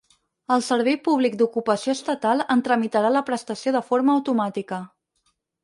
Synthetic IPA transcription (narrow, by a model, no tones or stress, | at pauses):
əlˠsəɾβ̞ɛjpuβ̞lik̚d̪ukupəsioəst̪ət̪alˠənt̪ɾəmit̪əɾaləpɾəst̪əsioðəfoɾməːwt̪umat̪ikə